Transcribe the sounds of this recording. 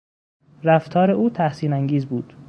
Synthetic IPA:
ɾæft̪ʰɒːɾeʔuːt̪ʰæhsiːnæŋɡiːzbuːd̪̥

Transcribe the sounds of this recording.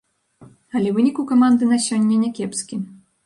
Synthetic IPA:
ɐlʲɛvɨnʲikukamand̪ɨnɐsʲɔnʲːɐnʲɛkʲɛpskʲi

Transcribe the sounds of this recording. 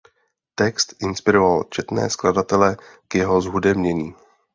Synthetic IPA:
t̪ɛkst̪ʔɪnspɪɾo̞valt͡ʃɛt̪nɛ̰ːskladat̪ɛlɛkjɛɦozɦudɛmɲɛɲiː

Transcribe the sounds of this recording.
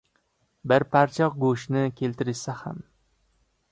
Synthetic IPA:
bɪɾpʰaɾt͡ʃʰɒq̚ɡoʃnɪkʲʰe̞lt̪ɪɾɪʃsaha̰m

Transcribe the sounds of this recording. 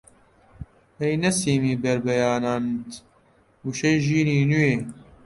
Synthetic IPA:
ejnɐsiːmiːbɐɾbɐjaːnaːnt̪ | uʃɐʒiːɾiːnujeː

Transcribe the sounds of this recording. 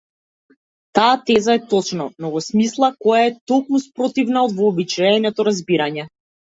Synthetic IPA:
t̪aːt̪ɛzaɛt̪ɔt͡ʃnɔnɔɡɔsmislˠakɔjaɛt̪ɔkmuspɾɔt̪ivnaɔd̪vɔːbit͡ʃɛnɛt̪ɔɾazbiɾaɲɛ

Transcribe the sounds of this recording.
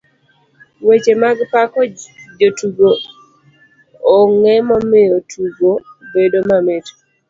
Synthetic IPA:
wet͡ʃemaɡpakɔd͡ʒotuɡo | ŋɛmɔmɪotʰuɡobedomamet

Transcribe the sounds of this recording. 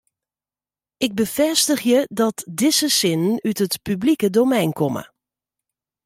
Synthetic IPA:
ɪɡ̚bəfɛstəχjədɔtdɪsəsɪnənytɦətpyblikədowmɛjnkɔmə̰

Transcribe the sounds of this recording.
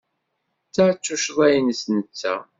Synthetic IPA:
t͡sːat͡sːuʃðˤæjnsnət͡sːæ̰

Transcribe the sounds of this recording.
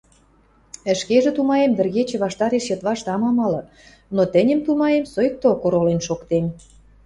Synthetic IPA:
ə̆ʃkeʒĕt̪umɑjemvɘ̆rɣet͡ɕĕβɑʃt̪ɑɾeʃjɤ̆t̪βɑʃt̪ɑmɑmɑlɤ̆ | not̪ə̆nʲə̆mt̪umɑjemsojk̚t̪okoɾolenʃokt̪em

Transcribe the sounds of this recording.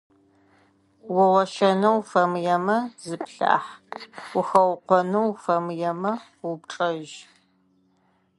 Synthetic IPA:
wʊwɔʃɐnɨwfɐmjɛmɐzɨpʰɬa̰ːħwʊxɐwqʷɔnɨwfɐmjɛmɐ | wʊpʈ͡ʂʼɐʒ

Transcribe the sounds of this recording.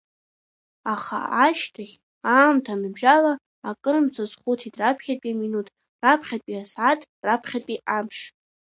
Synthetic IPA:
aχa̰aʃtʰaχʲ | aːmtʰanɨbʒalaː | kʼɨɾɨmt͡sʰazχutʰidrapʰχʲatpʼiaminutʰ | rapʰχʲat̚ʼpʼiasʕatʼ | rapʰχʲapʼiʔamʂ

